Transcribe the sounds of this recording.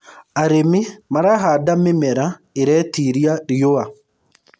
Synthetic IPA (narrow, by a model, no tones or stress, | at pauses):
aɾemɪmaɾaɦadamɪmɛɾa | eɾɛtiɾiaɾioa